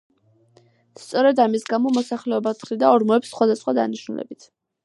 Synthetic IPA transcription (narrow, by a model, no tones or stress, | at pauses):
st̪sʼɔɾɛd̪amisɡamɔmɔsaχlɛɔbat̪χɾid̪aɔɾmɔɛpsːχwad̪asχwad̪a̰niʃnulɛ̰bit̪ʰ